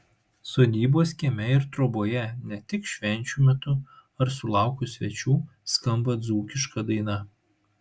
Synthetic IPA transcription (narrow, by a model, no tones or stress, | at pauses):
soːd̪ʲiːboːsʲkʲimʲɛɪɾt̪ɾoboːjɛnʲɛt̪ʲɪkʃʲʋʲɛnʲt͡ʃʲuːmʲɛt̪ʊɐɾsʊlˠɑˑʊkʊsʲʋʲɛt͡ʃʲuː | skɐmbɐd̪zuːkʲɪʃkɐd̪ɐɪnɐ